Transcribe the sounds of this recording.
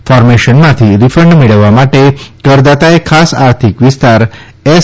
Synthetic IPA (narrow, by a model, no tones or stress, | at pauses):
fɔɾmeʃənmãt̪ʰiɾifɾəɳɖmeɭəʋːamaʈekəɾd̪at̪aekʰasa̰ɾt̪ʰikʋist̪aɾ | e